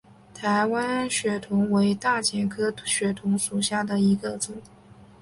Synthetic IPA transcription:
t̪ʰa˧˥ɪwa˥nɕɥɛ˨˩t̪ʰʊ˧˥ŋwe˧˥ɪt̪a˥˩t͡ɕjɛ˧˩kʰɤ˥ɕɥɛ˨˩t̪ʰʊ˧˥ŋʂu˨˩ɕja˥˩d̪ə˩i˧˥ɡə˧t͡sʊ˨˩˦

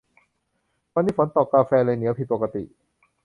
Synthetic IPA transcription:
wa˧nːiː˧˥˩fo˩˦nt̪ɔ˨˩kaː˧fɛː˧lɤː˧jni˩˦wpʰi˨˩po˨˩ka˧t̪ḭ˨˩ʔ

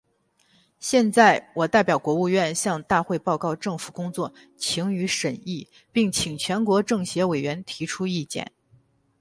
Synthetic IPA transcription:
ɕjɛ˥˧nt͡sa˥˩ɪwʔɔ˨˩t̪a˥˩ɪpjɑ˨˩ʊkwɔ˧˥u˥˧ɥɛ˥˧nɕjɑ˥˧ŋt̪a˥˧xwe˥˧ɪpɑ˥˧ʊkɑ˥˧ʊʈ͡ʂɤ˥˩ŋfu˨˩kʊ˥ŋt͡swɔ˥˩ | t͡ɕʰi˧˥ŋy˧˥ʂə˨˩ni˥˩ | pi˥˩ŋt͡ɕʰi˨˩ŋt͡ɕʰɥɛ˧˥nkwɔ˧˥ʈ͡ʂɤ˥˩ŋɕjɛ˧˥we˨˩ɪɥɛ˧˥nt̪ʰi˧˥ʈ͡ʂʰu˥i˥˧t͡ɕjɛ̰˥˩n

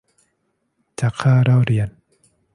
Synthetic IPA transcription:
t͡ɕa˨˩kʰːaː˥˩ɾa˥˩wɾi˨˩ən

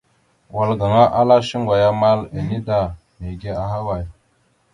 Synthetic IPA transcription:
wa˨lɡa˨ŋa˦ʔa˦la˦ʃi˦ŋɡʷa˨ja˦ma˦le˨ni˦da˨ | me˨ɡe˦a˨ɦa˦wa˨j

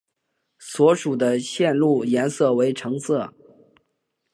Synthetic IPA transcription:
swɔ˧˥ʂu˨˩d̪ə˦ɕjɛ˥˧nlu˥˩jɛ˧˥nsɤ˥˩we˧˥ɪʈ͡ʂʰɤ˧˥ŋsɤ˥˩

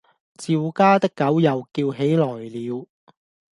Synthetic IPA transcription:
t͡siː˨wkaː˥t̪ɪ˥kːɐ˨˥wjɐ˨wkiː˧wɦe˨˥jlɔː˨˩jliː˨˧w

